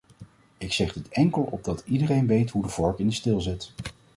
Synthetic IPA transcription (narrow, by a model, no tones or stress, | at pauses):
ɪksɛχdətɛŋkəlˠɔ̰b̚dɑtidərejnʋejtɦudəvɔɹkɪndəstɪlˠzɪt